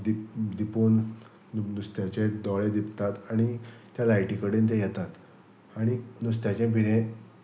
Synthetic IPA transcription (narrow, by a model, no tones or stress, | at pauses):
d̪id̪ipuːn | nust̪jat͡ɕed̪ɔɭed̪ipt̪at̪aɽ̃it̪jalajʈikəɽiːnt̪̬ejɛt̪at̪ | aɽ̃inus̬t̪jat͡ɕẽbʱiɾẽ